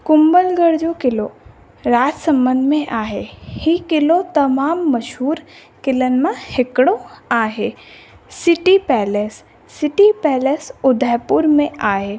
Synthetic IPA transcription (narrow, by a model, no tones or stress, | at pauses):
kʊmbəlɡəɾd͡ʒokɪlo | ɾaːt̪sɐ̃mbə̃nd̪ʱmẽʔaːɦehikɪlot̪ɐmaːmːɐʃɦuːɾ | kɪlənmãhɪkɽoaːɦeː | sɪʈipɛːlesː | ɪʈipɛːlesʊd̪ʱəjpʊɾmẽaːɦeː